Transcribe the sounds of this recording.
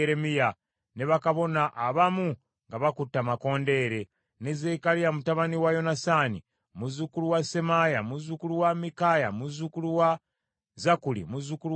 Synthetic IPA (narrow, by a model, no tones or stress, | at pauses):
eɾemija | ne̞βakaβo̞naʔːβamu | ŋɡaβakutːamako̞ːnde̞ːɾe̞ | nezekalijamutaβaniwajo̞nasani | muzukuluwasemajamuzukuluwamikajamuzukuluwa | zakulḭmuzukulu